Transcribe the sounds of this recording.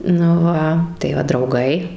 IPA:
nʊ ˈʋɐ tɐɪ ˈʋɐ drɐʊˈɡɐɪ

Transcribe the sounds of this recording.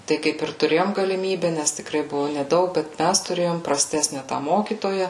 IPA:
tɐɪ ˈkɐɪp ɪr tʊˈrʲeːjoːm ɡɐlʲɪˈmʲiːbʲɛ nʲɛs tʲɪkˈrɐɪ ˈbʊʋʊ nʲɛˈdɐʊk bʲɛt ˈmʲæs tʊˈrʲeːjoːm prɐˈsʲtʲæːsʲnʲɛ tɑː ˈmoːkʲiːtoːjɛ

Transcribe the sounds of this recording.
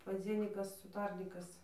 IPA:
pɐˈd͡zʲiɛnʲiːkɐs ʊˈtɐrʲnʲiːkɐs

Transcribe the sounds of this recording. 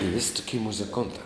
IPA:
ɪ ʋʲɪsʲ toːˈkʲɪ mʊzʲɪˈkoːntɑː

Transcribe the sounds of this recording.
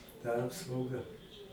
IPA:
tɐ ˈɑːpsɐʊɡɐ

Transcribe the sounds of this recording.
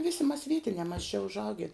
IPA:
ˈʋʲɪsʲɪ mɐs ˈʋʲiɛtʲɪnʲɛː mɐs t͡ʃʲɛ ʊʒˈɐʊɡʲɪ

